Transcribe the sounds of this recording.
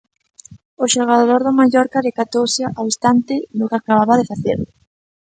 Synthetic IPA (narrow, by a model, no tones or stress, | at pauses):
ʊʃoɣaðoɾðʊmaʎɔɾkaðɪkat̪owsɪawest̪ant̪ɪðʊkakaβaβaðɪfaθḛɾlʊ